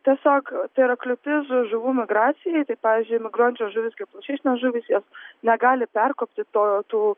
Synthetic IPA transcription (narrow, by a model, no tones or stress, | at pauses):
t̪ʲiɛsʲoːkt̪ɐɪɾɐklʲʊt̪ʲɪsʒʊʋuːmʲɪɡɾɑːt͡ssʲɪjɛɪt̪ɐɪpɑːʋʲiːzʲd͡ʒʲʊɪmʲɪɡɾoɔnʲt͡ʃʲoːʒʊːʋʲɪskɐɪp̚plˠɐʃʲɛɪʃʲnʲoːsʒuːʋʲɪsjoːsnʲɛɡɑːlʲɪpʲɛrkoːpʲt̪ʲɪt̪oːt̪uː